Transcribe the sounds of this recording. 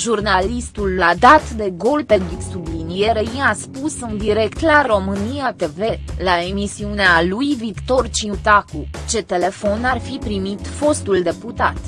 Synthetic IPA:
ʒurnalist̪ulːad̪at̪d̪e̞ɡo̞lped̪uksublinije̞ɾeiaspusɨnd̪iɾe̞kt̪laɾo̞mɨniat̪e̞ve̞lae̞misiunealujvikt̪o̞rt͡ʃiut̪akut͡ʃe̞t̪e̞le̞fo̞narfipɾimit̪fo̞st̪uld̪e̞put̪a̰t̪

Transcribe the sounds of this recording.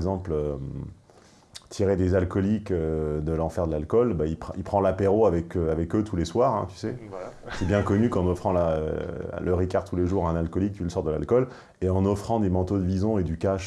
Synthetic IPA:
ɡzɑ̃plø | t̪ʰiʁed̪ezalkɔlikød̪əlɑ̃fɛʁd̪əlalkɔlbaipipχɑ̃lapeʁoavɛkøavɛkøt̪ʰuleswaːʁɛ̰̃t̪y̥sɛsɛbjɛ̃kɔnykɑ̃nɔfχɑ̃la̰ | ləʁikʲaʁt̪ːuleʒuʁɛ̃nalkɔlik̚t̪yləsɔʁd̪əla̰lkɔl | eɑ̃nɔfχɑ̃d̪emɑ̃t̪od̪əvizɔ̃ed̪ykaʃ

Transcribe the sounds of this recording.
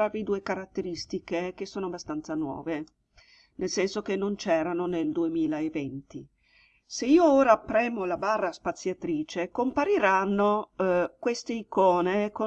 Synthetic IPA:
avid̪uːekaɾat̪ːeɾist̪ikek̟esːoːnoabast̪ant̪sanwɔ̰ːve | nelsɛnsokenːont͡ʃɛːɾanoneld̪uemiːlaevɛnt̪i | seiːooːɾapɾɛːmolabarːaspat̪sjat̪ɾiːt͡ʃekompaɾiɾanːokwest̪eikɔːneko

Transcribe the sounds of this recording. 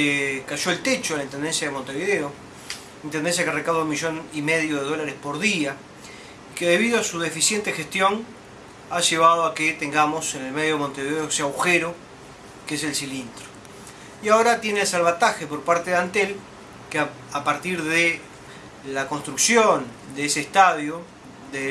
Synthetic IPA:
ekaʒo̞elt̪et͡ʃolaint̪end̪e̞nsjaðemo̞nt̪e̞βiðeo̞ | int̪end̪ens̬jakerekaβðounmiʒo̞nime̞ðjoð̞eðo̞laɾespo̞ɾðia | ike̞ðe̞β̞iðoasuðe̞fisje̞nt̪exest̪jo̞n | aʒe̞β̞að̞oaket̪eŋɡamo̞senelme̞ðjomont̪e̞βiðeoeseaɣwxeɾo | kees̬e̞lsilint̪ɾo̥ | iao̞ɾat̪je̞nesalβat̪axepo̞ɾpaɾt̪eðeant̪el | kea | apaɾt̪iɾðe | lako̞nst̪ɾuksjond̪eeseːst̪aðjo | d̪e

